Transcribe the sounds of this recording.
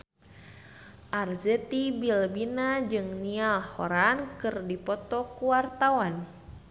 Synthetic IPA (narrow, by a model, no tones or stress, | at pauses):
ʔarzɛt̪ibilbinad͡ʒɨŋnialhoɾankɨrdipɔt̪ɔkuwart̪awan